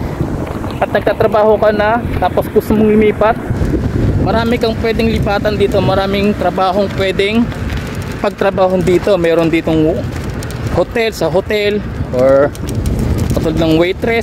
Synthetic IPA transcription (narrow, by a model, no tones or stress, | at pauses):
ʔɐt̪̚nɐɡ̚t̪aːt̪ɾɐbaːho̞kɐnɐt̪aːposɡʊst̪omoŋlʊmiːpɐt̪̚ | mɐɾaːmɪkɐŋpwɛd̪ɪŋlɪpaːt̪ɐnd̪iːt̪o̞mɐɾaːmɪŋt̪ɾɐbaːɦo̞ŋpwɛːd̪ɛŋ | pɐɡ̚t̪ɾɐbaːɦond̪iːt̪o̞mɛːɾond̪iːt̪oŋ | hot̪ɛlsɐɦot̪ɛl | ʔoɹ | pɐt̪old̪nɐŋwɛjt̪ɾɛs